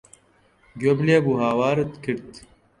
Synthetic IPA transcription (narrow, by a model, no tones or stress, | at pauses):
ɡjobleːbuɦaːwaːɾɐt̪kʰiɽt̪